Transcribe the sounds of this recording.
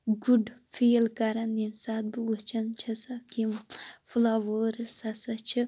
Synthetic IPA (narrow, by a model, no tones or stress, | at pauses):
ɡuɖfʰiːlkɐɾɐnd̪imsat̪̚bɨust͡ʃʰɐnt͡ʃʰɐsɐkimfʰulaʋoːɾɨsɐsɐt͡ʃʰi